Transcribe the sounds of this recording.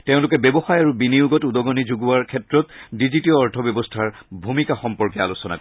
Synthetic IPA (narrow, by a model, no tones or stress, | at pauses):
teʊ̃lʊkɛbebɔxajaɹubinijuɡɔtudɔɡɔnizuɡuwaɹkʰɛtɹɔtdizitiɔːɹtʰɔbjɔbɔstʰaɹbʱumikaxɔmpɔɹkɛa̰lusɔna̰kɔ